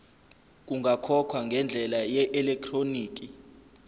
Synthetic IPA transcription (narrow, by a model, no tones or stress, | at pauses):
k̬uŋʱakʰɔkʰwaŋɡʱɛnd͡ɮʱɛlajɛʔɛlɛk̚tʰroniːk̬ʼi